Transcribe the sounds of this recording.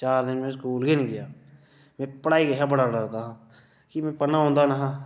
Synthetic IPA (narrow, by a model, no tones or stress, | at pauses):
t͡ʃaːɾd̪ɪnmẽskuːlɡenɡɪjaː | mɛ̃pəɽaːiɡɐɦabəɽaɖəɾt̪aːɦã | kimɛ̃pənaɦõːnd̪anəɦã